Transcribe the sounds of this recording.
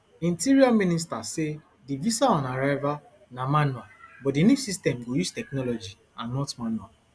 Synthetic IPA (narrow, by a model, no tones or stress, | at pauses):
ĩntiɾiamĩnistase | divisaɔ̃naɾaɪva | namãnɔbɔtdinusistɛmɡojustɛknɔlɔd͡ʒi | ãnːɔtmãnɔ̃